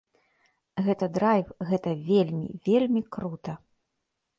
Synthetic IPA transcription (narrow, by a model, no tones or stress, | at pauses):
ɣɛt̪ɐd̪ɾajwɣɛt̪ɐvʲelʲmʲḭvʲelʲmʲikɾut̪ɐ